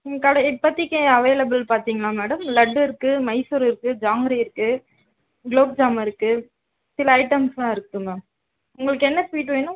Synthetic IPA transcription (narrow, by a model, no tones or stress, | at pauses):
ŋkɐɽɐɪpːɐt̪ːɪkːeɐʋeːlɐbɪlpaːɾt̪iːŋɡɐɭaːmɛːɽɐmlɐɖːɯɪɾɯkːɯmɐɪsuɾɪɾɯkːɯd͡ʒaːŋɡɾiɪɾɯkːɯ | ɡloːb̚d͡ʒaːmɐɪɾɯkːɯ | sɪlɐːɪʈɐmst̪ãːɪɾɯkːɯŋɐ | ʊŋɡɐɭɯkːɯɛnːɐsʋiːʈʋeːnʊ̃